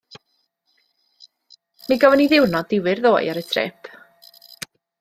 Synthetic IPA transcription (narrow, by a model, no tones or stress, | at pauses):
miɡɔvəniðɪwrnɔdɪwɪrðoːjaɾətʰrɛ̰ːpʰ